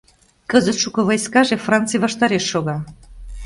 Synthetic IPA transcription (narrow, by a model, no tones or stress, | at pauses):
kəzət̪ʃukə̆βojskɑʒefrɑnt͡sɨjβɑʃt̪ɑɾeʃːoɣɑ